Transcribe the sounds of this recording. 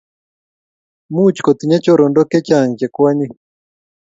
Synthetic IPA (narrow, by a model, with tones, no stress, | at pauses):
mu˦t͡ʃi̥kɔ˨t̪i˨ɲa˦t͡ʃɔ˨ɾɔ˨ndɔ˦kɛ˦t͡ʃa˨ɲd͡ʒɛ˨kwa˦ɲi˦